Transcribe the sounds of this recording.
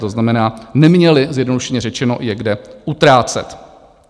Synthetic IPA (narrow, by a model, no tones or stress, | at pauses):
t̪oznamɛnaːnɛmɲɛlɪzjɛdno̞duʃɛɲɛrɛt͡ʃɛno̞̰jɛɡdɛʔut̪ɾaːt͡sɛ̰t̪